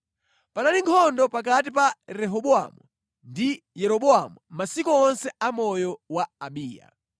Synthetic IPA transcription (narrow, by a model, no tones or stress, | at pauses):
panaliŋkʰɔndɔpak̬at̬ipaɾɛɦɔɓɔa̰mu | ndi | jɛɾɔɓɔamumasikɔːnsɛamɔjɔwaːɓiːja̰